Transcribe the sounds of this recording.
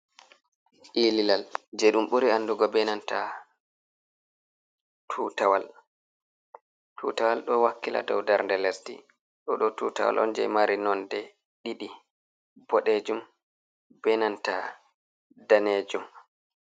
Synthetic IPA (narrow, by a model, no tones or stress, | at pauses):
ʔililald͡ʒɛɗumɓuɾianduɡɔbɛnanta | tʰutawal | tʰutawalɗɔwakːila̰dɔ̰wdaɾndɛlɛstḭ | ɗɔɗɔtuta̰wa̰lʔɔ̰nd͡ʒɛ̰jmaɾinɔndɛ | ɗiɗi | bɔɗed͡ʒum | bɛnanta̰ | daned͡ʒum